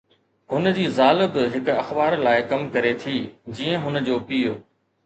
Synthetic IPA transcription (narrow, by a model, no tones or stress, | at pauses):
ɦʊnd͡ʑiːzaːlɪ̆bɪɦɪkʊɐxbaːɾlaːɪkɐmkɐɾet̪ʰiːd͡ʑiːə̃ɦʊnəd͡ʑoːpijoː